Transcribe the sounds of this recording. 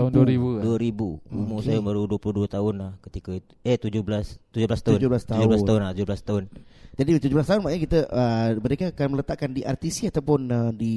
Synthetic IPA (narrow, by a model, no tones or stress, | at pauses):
t̪aʊnduɾibuduəɾibuumusajaməɾuduəpulʊhduat̪aʊnlahkət̪ikait̪ueht̪ud͡ʒublast̪ud͡ʒʊblast̪aʊd͡ʒublast̪aud͡ʒublast̪aʊnlaht̪ud͡ʒublast̪aʊnd͡ʒadiət̪ud͡ʒublast̪aʊnmaʔɲakit̪əʔəməɾekakanmələt̪aʔkandiʔart̪isiat̪awpʊnədi